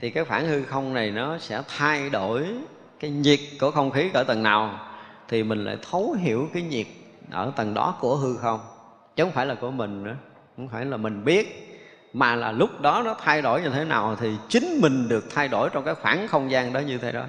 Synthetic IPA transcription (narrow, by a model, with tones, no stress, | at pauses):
t̪ʰi˨˩kaː˨˦jxwaː˧˩ŋhɨ˧xə˧wŋ͡mna˨˩jnɔ˨˦sɛ̰˧˥t̪ʰa˧jɗo˧˩j | kaː˨˦jɲi˨˩ət̚ku˧˩əxə˧wŋ͡mxi˨˦ʔəː˧˩t̪ə˨˩nːaː˨˩w | t̪ʰi˨˩mï˨˩ŋ̟la̰ː˧˥˩jt̪ʰə˨˦wɦi˧˩əwkaː˨˦jɲi˨˩ət̚ʔəː˧˩t̪ə˨˩nɗɔ̰˨˦ku˧˩əɦɨ˧xə˧wŋ͡m | t͡ɕxŋ͡mfaː˧˩jlaː˨˩ku˧˩əmï˨˩ŋ̟ʔaː˧˦ | xo˧˩wŋ͡mfaː˧˩jlaː˨˩mï˨˩ŋ̟ɓi˦˥ət̚ | maː˨˩laː˨˩lʊ˦˥k͡p̚ɗɔ˨˦nɔ˨˦t̪ʰa˧jɗo˧˩jɲɨ˧t̪ʰe˨˦na̰ː˨˩wt̪ʰi˨˩t͡ɕï˨˦ŋ̟mï˨˩ŋ̟ɗɨ˨˩ək̚t̪ʰa˧jɗo˧˩jt͡ɕɔ˧wŋ͡mkaː˨˦jxwaː˧˩nxə˧wŋ͡mzaː˧ŋɗɔ˨˦ɲɨ˧t̪ʰe˨˦ɗɔ̰˨˦